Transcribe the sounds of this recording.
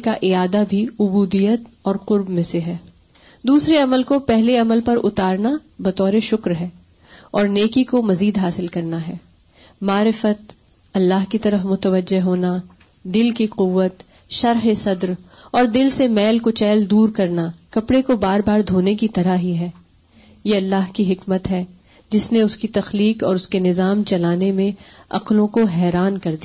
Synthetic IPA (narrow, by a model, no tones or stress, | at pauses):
kaʔɪaːd̪abʱiʊbuːd̪ijət̪ɔːɾqʊɾbmẽseɦɛː | d̪uːsɾeɐməlkopɛɦleɐməlpɐɾʊt̪aːɾnabɐt̪ɔːɾeʃʊkɾɦɛː | ɔːɾneːkikomɐziːd̪ɦaːsɪlkɐɾnaɦɛː | maːɾɪfət̪̚ | ɐlːaːɦkit̪ɐɾəfmʊt̪əʋəd͡ʒːeɦoːna | d̪ɪlkiqʊʋːət̪ | ʃɐɾɦesɐd̪ɾɔːɾd̪ɪlsemɛːlkot͡ʃɛːld̪uːɾkɐɾnakɐpɽekobaːɾbaːɾd̪ʱoːnekit̪ɐɾaɦiɦɛː | jeɐlːaːɦkiɦɪkmət̪ɦɛ | d͡ʒɪsneʊskit̪ɐxliːqɔːɾʊskenɪzaːmt͡ʃɐlaːnemẽɐ̰qlõkoɦɛːɾaːnkɐɾd̪ia